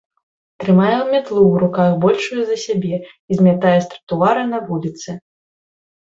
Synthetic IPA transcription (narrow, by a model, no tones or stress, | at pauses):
t̪ɾɨmajɛmʲat̪lˠuwɾukajɛbɔlʲʂujuzɐsʲabʲɛ | izʲmʲat̪ajɛst̪ɾɐt̪uaɾɨnɐvulʲit̪sɨ